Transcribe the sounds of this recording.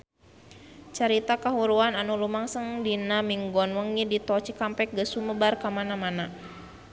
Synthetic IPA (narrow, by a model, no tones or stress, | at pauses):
t͡ʃaɾit̪akaɦuɾuananulumaŋsəŋdinamiŋɡɔnwəŋidit̪ɔt͡ʃikampɛk̚ɡəsuməbarkamanamana